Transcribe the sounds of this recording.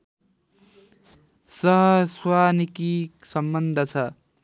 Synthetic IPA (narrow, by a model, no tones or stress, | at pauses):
sʌɦʌswanikiksʌmbʌnd̪ʱʌt͡sʰʌ